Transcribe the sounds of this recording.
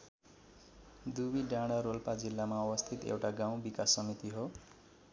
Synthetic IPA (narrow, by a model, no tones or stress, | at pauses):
d̪ubiɖaɽ̃aɾolpad͡zilːamaʌwʌst̪ʰit̪ḛwʈaɡãw̃bikasːʌmit̪iɦo